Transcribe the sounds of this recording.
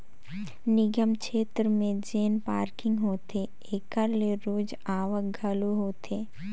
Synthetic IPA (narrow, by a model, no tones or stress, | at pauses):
nɪɡəmkʃeːt̪ɾəmẽd͡ʒeːnpaːɾkɪ̃ŋɡɦoːt̪e | eːkəɾleɾoːd͡ʒ | aːʋək̚ɡʱəloɦoːt̪ʰeː